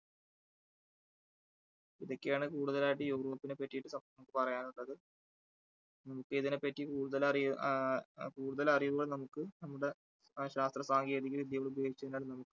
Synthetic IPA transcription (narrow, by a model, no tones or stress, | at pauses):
iðo̞kːejaːɳɨkuːɽuðɐlaːjiʈ̬ːɨjuːroːpːinepːɐtːijiʈːɨsɐnɐmukːɨpɐrɐjaːnuɭːɐðɨ | nɐmukːeːðinepːɐtːikuːɽuðɐlɐri | kuːɽuðɐlɐrijʋuɣɐɭnɐmukːɨnɐmːuɽe̞ | ɕaːst̪rɐsaːŋɡeːðikːilid̪jɐjoːɭubʱjoːɡit͡ɕːɐðinaːɭnɐmukːɨ̥